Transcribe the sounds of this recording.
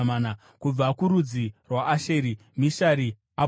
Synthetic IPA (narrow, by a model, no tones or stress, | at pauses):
maːna | kub͡vakuɾud͡zirwaʔːʃeːɾi | miʃaɾi | a